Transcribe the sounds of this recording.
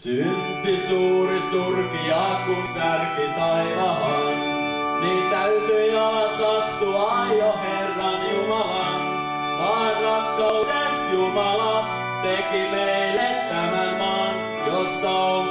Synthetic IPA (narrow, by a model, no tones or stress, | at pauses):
sympːisuːɾisurkiɑkunsærkipɑiʋɑɦɑ | nit̪æyt̪yiɑlɑsɑst̪uɑjoherːɑnjumɑlɑn | kɑrɑt̪ːounesjumɑlɑ | t̪ekimeilet̪æmæmɑːn | jost̪ɑon